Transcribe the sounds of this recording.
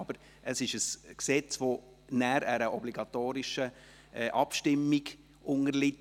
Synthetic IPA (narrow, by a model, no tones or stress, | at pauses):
ɑb̥əɾ | əsɪʃəsksɛt͡sʋo | næːɾæɾəʔɔbliɡɑt̪oːɾɪʃə | ʔɑpʃtɪmːiɡ | ʔʊŋəɾlɪt